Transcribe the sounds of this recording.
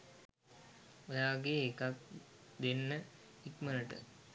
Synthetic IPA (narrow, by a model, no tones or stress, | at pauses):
ojaːɡeːkak̚d̪enːəikmənəʈə̰